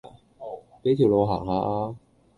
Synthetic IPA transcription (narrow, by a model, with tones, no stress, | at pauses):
ke˨˥jt̪ʰi˨˩wlo˧wɦa̰ː˨˩ŋhaː˧ʔaː˧